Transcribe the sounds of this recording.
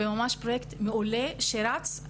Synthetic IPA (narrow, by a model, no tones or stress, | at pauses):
emamaʃpʁojekt̪meuleʃeɾat͡s